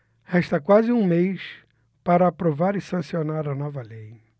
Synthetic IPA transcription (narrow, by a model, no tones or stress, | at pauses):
hɛʃt̪ɐkwazɪũmejs | paɾɐːpɾovaɾɪsɐ̃sionaɾɐnɔvɐlej